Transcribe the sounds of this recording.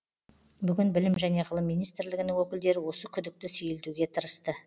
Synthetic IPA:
bʏɡʲɪnbɪlɪmʒæne̞ʁəlˠəmːijnijst̪ɾlɪɡʲɪnɪŋwɵkʲɪld̪e̞ɾɪwo̞səkʲʰʏd̪ɪk̚t̪ɪsɵjɪld̪uɡʲe̞t̪ʰəɾəst̪ə

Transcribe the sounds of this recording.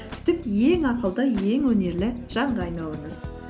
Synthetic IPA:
t̪ʰʏ̥t̪ɪpje̞ŋɑqəlˠd̪əje̞ŋwɵne̞ɾlɪʒ̥ɑɴd̪ɑɑjnɑlˠəɴəz̥

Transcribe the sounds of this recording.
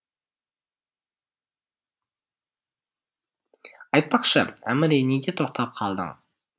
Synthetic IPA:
ɑjt̪̚pɑqʃəæmɪɾejneɡʲet̪ʰo̞q̚t̪ʰɑp̚qʰɑlˠd̪ə̰ɴ

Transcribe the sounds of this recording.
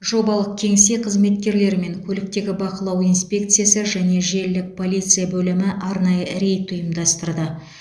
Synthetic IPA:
ʒo̞bɑlˠəq̚kʲʰe̞ŋsejqʰəzme̞t̪kʲe̞ɾle̞ɾɪme̞ŋkʲʰɵlɪk̚t̪e̞ɡʲɪbɑqəlˠɑwijnspʲe̞kt̪sɨjasəʒæne̞ʒe̞ɾlɪk̚pʰo̞lʲijt̪sɨjabɵlɪmɪʔɑɾnɑjəɾe̞jt̪ʰːʊjəmd̪ɑst̪əɾd̪ə

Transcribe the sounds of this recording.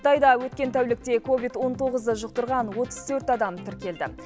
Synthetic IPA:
ə̥t̪ɑjd̪ɑwɵt̪kʲe̞nt̪ʰæwlɪk̚t̪e̞kʰo̞vijt̪wo̞nt̪ʰo̞ʁəzəʒʊq̚t̪əɾʁɑnwo̞t̪əz̥t̪ʰɵɾt̪ɑd̪ɑmt̪ʰɪɾkʲe̞ld̪ɪ̰

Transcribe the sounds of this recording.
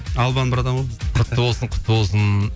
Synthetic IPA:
ɑlˠbɑnbɪɾɑd̪ɑmʒobəzqʰʊt̪ːəwolˠsəɴqʰʊ̥t̪ːəwolˠsən

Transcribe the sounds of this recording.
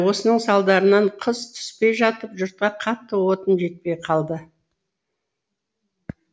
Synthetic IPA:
wo̞sənəɴsɑlˠd̪ɑɾənɑɴqʰəz̥t̪ʰʏ̥spe̞jʒɑt̪əpʒʊɾt̪̚qɑqʰɑt̪ːəwo̞t̪ənʒe̞t̪̚pe̞jqʰɑlˠd̪ə

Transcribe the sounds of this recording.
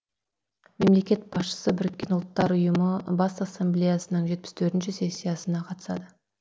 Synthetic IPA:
me̞mle̞kʲe̞t̪̚b̥ɑsʃə̥səbɪɾɪkʲːe̞nʊlˠt̪ːɑɾʊjəməbɑsasːemblʲejasənəɴʒe̞t̪̚pɪ̥st̪ʰɵɾt̪ɪnʃɪse̞sʲːijasənɑqʰɑt̪ə̥sɑ̰d̪ə

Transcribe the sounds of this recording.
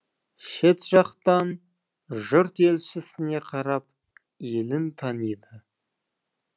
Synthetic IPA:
ʃe̞t̪ʒ̥ɑqt̪ɑn | ʒʊɾt̪e̞lʃɪsɪne̞qʰɑɾɑp̚ | jelɪnt̪ʰɑnijd̪ə

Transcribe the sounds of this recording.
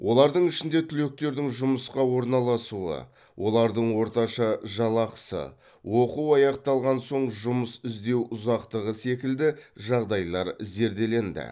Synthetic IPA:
wʔo̞lˠɑɾd̪əɴɪʃɪnd̪e̞t̪ʰʏle̞k̚t̪e̞ɾd̪ɪŋʒʊməsqɑwo̞ɾnɑlˠɑsuə̰ | wʔo̞lˠɑɾd̪əɴwo̞ɾt̪ɑʃɑʒɑlˠɑqə̥sə̰ | wo̞quwɑjɑqt̪ɑlˠʁɑnso̞ɴʒʊməsɪzd̪e̞wʊzɑqt̪əʁəse̞kʲɪld̪ɪʒɑʁd̪ɑjlˠɑɾze̞ɾd̪e̞le̞nd̪ɪ̰

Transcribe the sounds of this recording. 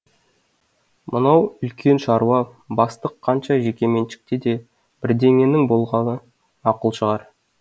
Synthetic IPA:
mənɑwʏlkʲʰe̞nʃɑɾuwɑbɑst̪əqʰːɑnʃɑʒe̞kʲe̞me̞nʃɪ̥k̚t̪ed̪e̞ | b̥ɪɾd̪e̞ŋe̞nɪŋbo̞lˠʁɑnə | ɑqəlˠʃəʁɑɾ

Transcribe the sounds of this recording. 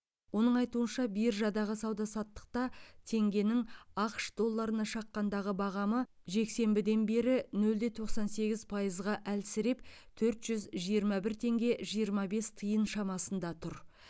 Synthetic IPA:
wo̞nəɴɑjt̪uənʃɑbijɪɾʒɑd̪ɑʁəsɑwd̪ɑsɑt̪ːə̥q̚t̪ɑt̪ʰe̞ŋɡʲe̞nɪŋɑqʃd̪o̞lˠːɑɾənɑʃɑqːɑnd̪ɑʁəbɑʁɑmə | ʒe̞kse̞mbɪd̪e̞nbe̞ɾɪnɵld̪e̞t̪ʰo̞qsɑnse̞ɡʲɪz̥pʰɑjəzʁɑʔælsɪɾe̞p̚t̪ʰɵɾt̪ʒ̥ʏzʒijəɾmɑbɪɾt̪ʰe̞ŋɡʲe̞ʒijəɾmɑbe̞st̪ʰəjənʃɑmɑsənd̪ɑt̪ʰʊɾ

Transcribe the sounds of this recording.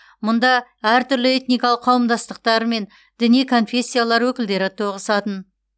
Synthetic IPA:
mʊnd̪ɑæɾt̪ʰʏɾlɪe̞t̪nijkɑlˠəqʰːɑwəmd̪ɑst̪əq̚t̪ɑɾme̞n | d̪ɪnijkʰo̞nfʲe̞sʲːijalˠɑɾwɵkʲɪld̪e̞ɾɪt̪ʰo̞ʁəsɑt̪ən

